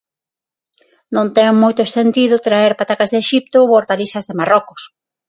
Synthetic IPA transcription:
nõnt̪ɛŋmojt̪ʊest̪ent̪iðʊt̪ɾaeɾpat̪akazðeʃip̚t̪ooɾt̪alisɐzðemarɔkʊ̥s

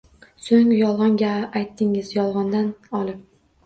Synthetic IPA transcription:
soŋjɒlˠʁɒŋɡʲaʔːjt̪ʰːɪŋɪzjɒlˠʁɒnd̪anɒlˠɪp̚

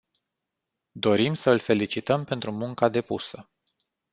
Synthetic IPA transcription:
d̪o̞ɾimsəɨlfe̞lit͡ʃit̪əmpe̞nt̪ɾumuŋkad̪e̞pusə

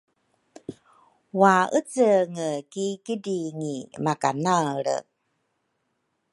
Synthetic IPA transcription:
waʔət͡səŋəkikədiŋimakanaɾə̰

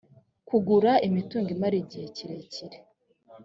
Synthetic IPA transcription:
kuɡuɾaimituːŋɡimaɾiɟiheciɾeciɾe

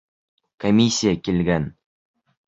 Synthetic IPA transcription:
komʲisʲːijakʲelɡʲæn

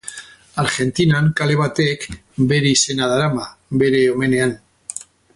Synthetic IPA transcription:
aɾxe̞nt̪inaŋkale̞β̞at̪ek | beɾisenaðaɾamabe̞ɾe̞omenean

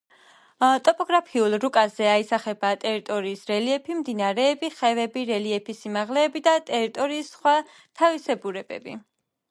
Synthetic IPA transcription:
t̪ʼɔpʼɔɡɾapʰiulˠɾukʼazɛaisaχɛbat̪ʼɛɾit̪ʼɔɾiːsɾɛliɛpʰimd̪inaɾɛːbiχɛvɛbiɾɛliɛpʰisimaʁlɛːbid̪at̪ʼɛɾit̪ʼɔɾiːsχwa | t̪ʰavisɛbuɾɛbɛ̰bḭ

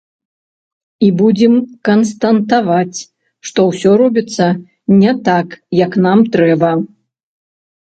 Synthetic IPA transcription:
ibud͡zʲɛmkɐnst̪ɐnt̪avat͡sʲ | ʂt̪ɔwsʲɔɾɔbʲit̪sːɐ | nʲɛt̪akjɐknamt̪ɾɛbɐ

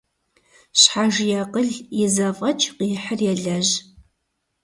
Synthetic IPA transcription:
ɕħaʒjɛqəɮjɪzɐvɐt͡ʃʼʰqiːħərjɛɮɐʑ

